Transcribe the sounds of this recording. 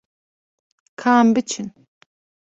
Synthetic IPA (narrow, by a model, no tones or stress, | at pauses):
kʰaːmbit͡ʃʰin